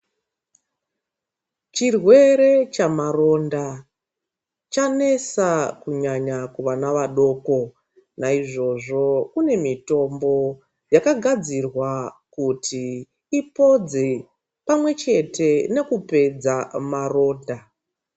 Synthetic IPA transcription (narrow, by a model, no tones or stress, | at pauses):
t͡ʃirwe̞ɾe̞t͡ʃamaro̞nda | t͡ʃane̞sakuɲaɲakuʋanaʋaɗo̞ːko̞ | naiʐo̞ʐo̞kune̞mito̞mbo̞ | jakaɡʱad͡zirwakutʰiː | po̞d͡ze | pamwe̞t͡ʃe̞te̞ne̞kupe̞d͡zamaro̞ːnda